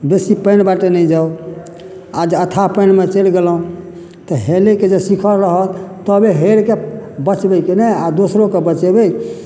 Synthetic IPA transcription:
besipəɪnbaʈenəid͡ʒaw | ad͡ʒət̪ʰapənmet͡ʃelɡelɦũ | t̪ɔɦeleked͡ʒesikʰəɾəɦət̪t̪əbeɦeɾkebət͡ʃbɛjkenead̪osɾokebət͡ʃebəj

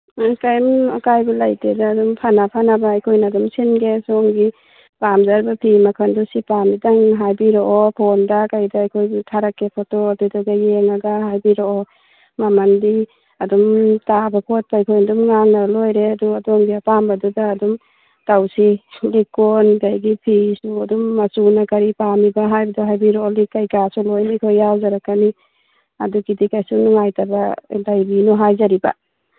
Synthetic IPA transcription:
kajmakajbulajtedaːdɔmpʰanapʰanabaːjkʰɔjnadɔmsinɡesɔŋɡi | bamzaɾbapʰimakʰandusipamdidaŋɦajbiɾɔʔɔpʰɔndakajdaːjkʰojbtʰaɾakːepʰɔtɔadudaɡajeŋaɡaɦajbiɾɔɔ | mamandi | adɔmtabapʰot̚pajkʰɔjndumŋaŋnalojɾeaduadɔŋɡiapambadudaːdum | tawsilikɔnɡajɡipʰisuadumːasunakaɾipamibaɦajbaduɦajbiɾɔlikajkasulɔjnikʰɔjawzaɾakani | aduɡidikajsunuŋajtaba̰dajbinɔɦajzaɾiba̰

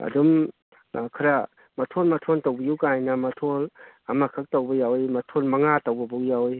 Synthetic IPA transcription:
ɐ̰dum | kʰɐɾa | mɐtʰolmɐtʰontawbijuwkajnɐmɐtʰol | ɐmakʰɐk̚towbɐjawjmɐtʰolmɐŋatawbɐbuwjawj

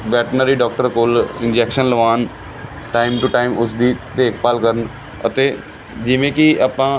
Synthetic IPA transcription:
ʋɛːʈnəɾiːɖɔːk̚ʈəɾkoːlɪnd͡ʒɛːkʃənləʋaːn | ʈaːɪmʈuʈaːɪmʊsd̪iːt̪eːkʰpaːlkəɾən | ə̰t̪eː | d͡ʒɪʋẽːkɪaːpãː

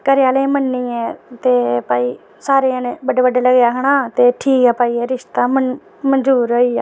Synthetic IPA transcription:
kəɾɪjaːlẽːmənːĩːɛːt̪eːpaːiː | saːɾeːənebəɖeːbəɖaːləɡjaːkəɽaːt̪eːʈʰiːkɛːpaːiːɛːɾɪʃt̪aːm | mənd͡ʒuːɾɦoːiːaː

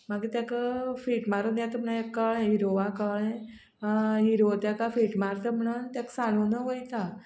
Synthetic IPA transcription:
maɡit̪jakafiʈmaɾonjãt̪um̤najekːəɭẽɦiɾoʋakəɭẽ | ɦiɾot̪jakafiʈmaɾt̪əm̤əɽ̃uːnt̪jaksañonəɦojt̪a

